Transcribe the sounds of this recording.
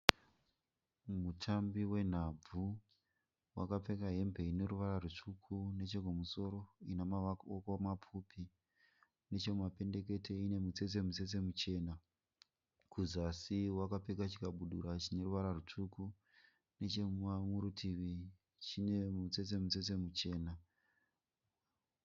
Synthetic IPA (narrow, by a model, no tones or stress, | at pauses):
mutʰambiwe̞n̤ab͡vu | wa̰kap͡fe̞kaɦe̞mbʱe̞ine̞ɾuʋaɾarut͡ʂukʰune̞t͡ʃe̞komuso̞ɾo̞inamakomap͡fupi | ne̞t͡ʃe̞mape̞nde̞k̬e̞te̞ine̞mut͡se̞t͡s̬e̞mut͡se̞se̞mut͡ʃe̞ːna | kuzasiwakape̞k̬at͡ʃikaɓuɗṵɾat͡ʃine̞ruʋaɾarut͡ʂuku | ne̞t͡ʃeamuɾutʰiʋi | t͡ʃine̞mut͡sese̞mut͡set͡se̞mut͡ʃe̞ːna